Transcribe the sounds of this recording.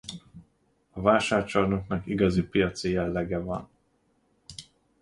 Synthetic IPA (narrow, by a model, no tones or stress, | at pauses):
ɒvaːʃaːrt͡ʃɒrnoknɒkiɡɒzipijɒt̪sijɛlːɛɡɛvɒn